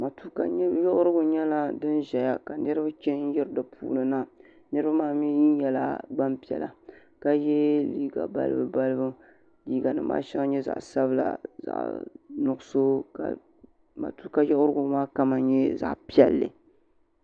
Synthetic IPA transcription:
ma˨tu˦ka˨ɲ˦jɔ˦ʔʊ˦ɾɨ˦ɡʊ˨ɲɛ˦la˦dɨ˦nʒɛ˨ja˨ka˨nɨ˦ɾɨ˦ba˦t͡ʃɛ˦n̩˦jɛ˦ɾɨ˦dɨ˨pʰṵː˦lɨ˨na˦ | nɨ˦ɾɨ˦ba˦maː˦˨m˦i˦ji˦n˦jɛ˨la̰˦ɡ͡ba˦mpi˨ɛ̰˨la˨ | ka˦jɛ˦liː˦ɡa̰˨ba̰˦lɨ̰˦bɨ˨ba˦lɨ˦bɨ˦ | liː˦ɡa˨nɨ˨ma̰ː˦ʃɛ˦ŋ˦ɲɛ˦za̰˨ʔsa˦bɨ˦la̰˨za̰˨ʔnʊ˨ɡʊ˦so˦ka̰˨ | ma̰˨tu˦ka˦jɔ˦ʔʊ˦ɾɨ˦ɡʊ˨maː˦ka˦ma˨˦ɲɛ˦za̰˨ʔpi˦ɛ̰˦lːɨ̰˨

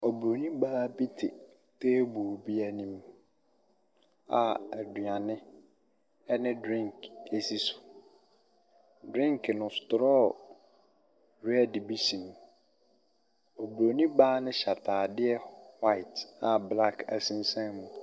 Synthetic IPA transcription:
o˨bɾo˨nĩ˦baː˦bi˦tʰɪ̰˨ | tʰeː˦bu˨bi˦æ˦nĩ˦m | a˨æ˨du˨ã˨nɪ̃˦ | ɛ˦nɪ̃˦dɾĩ˦ŋke˦si˦sʊ̥˨ | dɾĩ˦ŋknʊ̃˨stʊ˨ɾɔː˦ | ɾɛ˦˨dbi˦sĩ˨m | o˨bɾo˨nĩ˦baː˦nɪ̃˦ɕa˨tʰaː˨dɪ˦ɛ˦wa˦ɪ˨ta˨bla˦˨kʰæ̰˨sĩ˦n˦sã˦mũ˨

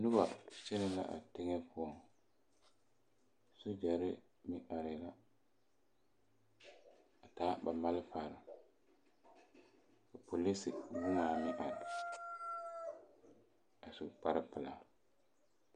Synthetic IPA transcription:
nʊ˦ba̰˨t͡ʃɛ˦nɛ˦la̰˦ʔa̰˨tɪ˦ŋɛ˦pʰʊ˦ɔ˨ | su˦d͡ʒa˨ɾɪ˦ | mɪ˦ʔa˨ɾɪ˨la˦ | a˨taː˨˦ba˨ma˦lɪ˦faː˨ɾɪ˨ | ka˨pʰo˨li˦sɪ˨nɪ˦ŋaː˨mɪ˦ʔa˨ɾɪ˨ | a˨su˨k͡pa˦ɾɪ˦pɪ˨la˨

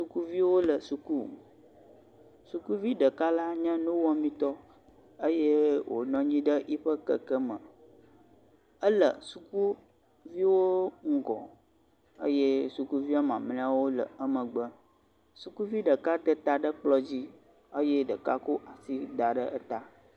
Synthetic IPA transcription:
su˦ku˦vi˦wo˦lə˨su˨ku˦ | su˨ku˦vi˦ɖə˨ka˦la˦ɲə̃˦nũ˦wɔ˦mĩ˦t̪ɔ˦ | ə˦je˦wʔo̰˨nɔ̃˦ɲĩ˦ɖə˦ʔi˦ɸə˦kə˨kə˦mə̃˨ | ə˦lə˨su˨ku˦ | vi˦wo˦ŋ̩˦ɡɔ̰˨ | ə̰˦je˦su˨ku˦vi˦a˦mã˨mlẽ˦a˦wo˦lə̰˨ə˦mə̃˨ɡ͡bə˦ | su˨ku˦vi˦ɖə˨ka˦t̪ə˦t̪a˨ɖə˦k͡plɔ˦d͡ʑi˦ | ə˦je˦ɖə˨ka̰˦ko˦ʔa˨si˦da˨ɖə˦ə˦t̪a˦

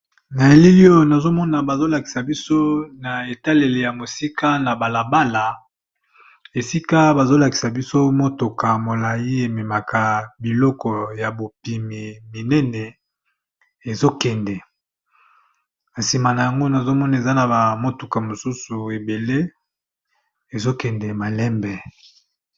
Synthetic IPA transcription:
na˨e˨li˦li˦o˦jna˨zo˦mɔ˦na˨ba˨zo˦la˨ki̥˨sa˨bi˦so˦na˨e˨ta˦le˨le˨ja˨mo˨si˦ka˦na˨ba˨la˨ba˦la˨ | e˨si˦ka˦ba˨zo˦la˨ki̥˨sa˨bi˦so˦mo˦to˨ka˨mo˨la˨ji˦e˨mɛ˨ma˨ka˨bi˨lɔ˦kɔ˨ja˨bo˨pi˨mi˨mi˨nɛ˦nɛ˨ | e˨zo˦kɛ˨ndɛ˨ | na˨si˨ma˨na˨ja˨ŋɡo˦na˨zo˦mɔ˦na˨e˨za˦na˨ba˨mo˦tu˨ka˨mo˨su˦su˨e˨be˨le˦ | e˨zo˦kɛ˨ndɛ˨ma˨lɛ˦mbɛ˨

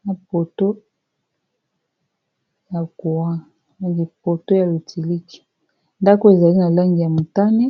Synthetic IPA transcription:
na˨po˨to˦ | ja˨ku˨wa˦ | n˨ɡi˨po˨to˦ja˨lu˨tʰi˨li˦ki̥˨ | nda˦ko˦e˨za˨li˦na˨la˦ŋɡi˨ja˨mu˨ta˦nɛ˦

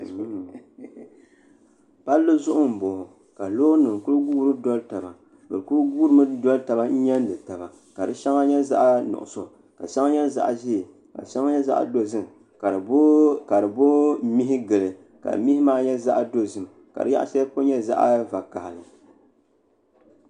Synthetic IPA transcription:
pa˦lːo˦zʊ˦ʔʊ˦m̩˨bʊ˨hʊ˨ | ka˨loː˦nɨ˨ŋ˨kʊ˦lɨ˦ɡuː˦ɾɨ˦dɔ˦lta˨ba˨ | bɨ̰˨ɾkʊ˦lɨ˦ɡu˦ɾɨ˦mɨ˦dɔ˦lta˨ba˨n̩˦ɲɛ˦n˦dɨ˨ta˨ba˨ | ka˨dɨ˦ʃa˦ŋa˦ɲɛ˦za̰˦ʔnʊ̰˨ʔʊ̰˨so˨ | ka̰˨ʃa˦ŋ˦ɲɛ˦za̰˦ʔʒi˦j | ka̰˨ʃa˦ŋa˦ɲɛ˦za̰˦ʔa̰˨do˦zɨ˦m˨˦ | ka˨ɾɨ˨bo˦mi˦ɦɪ˦ɡɨ˨lɨ˨ | ka̰˨mi˦hi˦maː˦ɲɛ˦za˦ʔdo˦zɨ˨m˨ | ka̰˨dɨ̰˦ja̰˦ʔa̰˦sɛ˦po˦ɲɛ˦za̰˦ʔa˦va˨ka˨ha˨lɨ̰˨

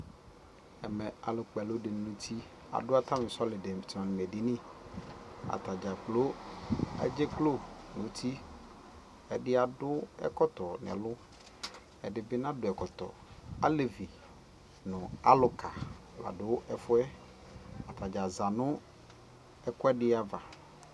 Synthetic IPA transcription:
ɛ˨mɛ̃˨a˨lʊ˨k͡pɛ˨lo˦ɖɪ˨nũ˦t̪ʰi˦ | a̰˨ɖʊ˦a˦t̪a˦mɪ̃˨slɪ˨de˨ti˨ã˨nɪ˨me˨ɖi˦nĩ˦ | a̰˨t̪a˨d͡ʒa˨k͡plo˦ | ɛ̰˦d͡ʒe˦klo˦nũ˨˦t̪ʰi˦ | ɛ˨ɖɪ˦a˨ɖʊ˦ɛ̰˦kɔ˦t̪ɔ˨nɛ̰̃˨lʊ˦ | ɛ˨ɖɪ˨bɪ˦nã˦dʊ˨ɛ˨kɔ˨t̪ɔ̰˨ | a˦le˨vi˨ | nʊ̃˨a˨lʊ˦kʰa˨ | la̰˨ɖʊ˦ɛ˨fʊ˦ɛ˦ | a˨t̪a˨d͡ʒa˨za˨nʊ̃˦ | ɛ˦kɔ˦ɛ˦ɖɪ˦a˦va˨

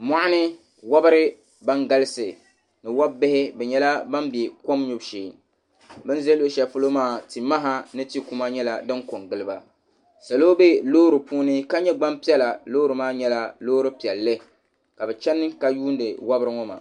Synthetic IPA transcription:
ma˦ʔa˦nɨ˦ | wa˦bɨ˦ɾɨ˦ | ba˦ŋɡa˦lɨ˦sɨ˨ | nɨ˨wa˦bɪ˦hɪ˦bɛ˨ɲɛ˦la˦ba˦mbi˨ko˦mɲu˦bʃeː˨ | bɨ˦n˦zɛ˦lo˦ʃɛ˨fu˦lo˦maː˦˨ti˨ma˦ɦa˦nɨ˦ti˦ku˦ma˦ɲɛ˦la˨dɨ˦ŋko˨ŋɡɨ˨lɨ˦ba˨ | sa˨lo˦be˦loː˦ɾɨ˨puː˦nɨ˦ka˦ɲɛ˦ɡ͡ba˦mpi˦ɛ˦la˨loː˦ɾɨ˨maː˦ɲɛ˦la˦loː˦ɾɨ˦pi˨ɛ˨lːɨ˦ | ka˨bɛ˨t͡ʃɛ˦nːɨ˦ka˨juː˦n˦dɨ˨wa˦bɾɨ˦ŋɔ˦ma̰˨

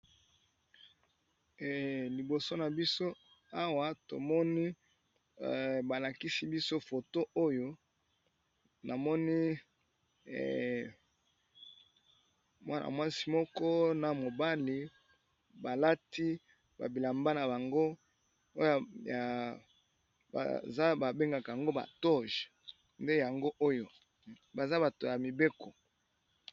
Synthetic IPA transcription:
li˨bo˨so˦na˨bi˦so˦ | a˦wa˨to̰˨mɔ˦ni˦˨ | ba˨la˨ki˦si˦bi˦so˦fo˨to˦ʔo˦jo˦ | nʔa˨mɔ˦ni˦˨ | mwa˦nʔa̰˨mwa˦si̥˨mɔ˦kɔ˦na˨mo˨ba˦li˨ | ba˨la˦ti˦ | ba̰˨bi˨la˨mba˦na˨ba˨ŋɡo˦ | o˦ja˨ja˨ | ba̰˨za˦ba˨be˦ŋɡa˨ka˨ja˨ŋɡo˦ba̰˨tɔ˦ʒ | nde˦ja˨ŋɡo˦ʔo˦jo˨ | ba˨za˦ba˨to˨ja˨mi˨be˦kɔ˨

